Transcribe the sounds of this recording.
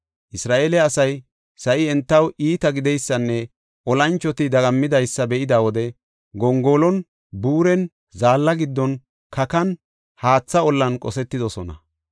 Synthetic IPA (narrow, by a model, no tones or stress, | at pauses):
ʔɪsɾaːʔeːlɛɐsɐj | sɐʔɪɛnt̪ːɐwʔiːt̪ɐɡɪd̪ɛjsːɐnːɛ | ʔɔlɐnt͡ʃːɔt̪ɪd̪ɐɡɐmːɪd̪ɐjsːɐbɛʔɪd̪aːwɔd̪ɛ | ɡɔŋɡoːlɔn | buːɾɛn | zaːlːɐɡɪd̪ːɔn | kʰɐkɐn | haːt͡sːɐɔlːɐnkʼɔsɛt̪ːɪd̪ɔsɔnɐ̰